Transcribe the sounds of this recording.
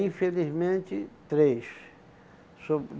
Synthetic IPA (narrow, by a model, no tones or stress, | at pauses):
ĩfelizmẽnt͡ʃ̪ɪt̪ɾes | so